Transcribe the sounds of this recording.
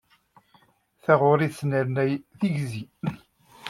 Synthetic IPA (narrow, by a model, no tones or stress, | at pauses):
θæʁʊɾisnæɾnæjθiʝzi